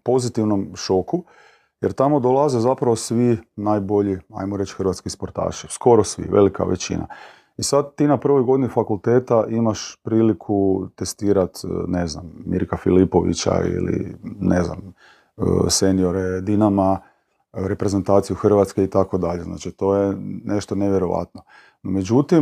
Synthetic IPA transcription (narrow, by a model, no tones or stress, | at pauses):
po̞zit̪iʋno̞mʃo̞ku | jeɾt̪amod̪olˠazezapɾaʋosʋinaːjbo̞ʎia̰jmoɾe̞t͡ʃxrʋat̪skispoɾt̪a̰ːʃisko̞ɾosʋḭʋe̞̰lika̰ʋḛt͡ɕḭnʔa̰ | isad̪t̪ːiːnapr̩ʋo̞jɡo̞d̪inifakulˠt̪eːt̪aʔimaʃpɾiːlikʰut̪e̞st̪iːɾat̪ne̞znamːḭɾkafilipoʋḭt͡ɕa̰ḭlḭnezna̰m | əse̞nijo̞ɾed̪inama | ɾe̞pɾe̞zent̪aːt̪sijuxr̩ʋat̪skeit̪ako̞d̪aʎe̞zna̰ːt͡ʃit̪o̞jene̞ʃt̪oneʋje̞ɾo̞ʋa̰t̪no̞ | nome̞d͡ʒut̪im